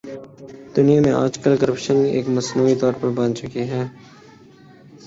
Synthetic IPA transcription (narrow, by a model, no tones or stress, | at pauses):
d̪ʊnijamẽʔa̰ːd͡ʒkəlkəɾəpʃəniʔḛːkmɐsnuːit̪ɔːɾpɐɾbɐ̃nt͡ʃʊkiɦɛː